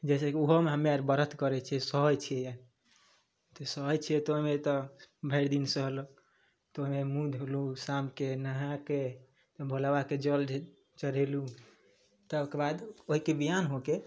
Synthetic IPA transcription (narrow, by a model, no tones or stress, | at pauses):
d͡ʒɛsekioɦomeɦəmeaɾbəɾət̪kəɾɛt͡ʃʰɛsəɦɔd͡ʒt͡ʃʰiɛjaɾ | t̪ɔsəɦɔd͡ʒt͡ʃʰiɛt̪oɦimet̪ɔbʱəɾd̪insəɦlo | t̪oɦimemud̪ʱɦolusamkenəɦãke | t̪ɔbʱolawaked͡ʒəl | t͡ʃəɾelu | t̪əkebad̪oɦikebiɦanɦoke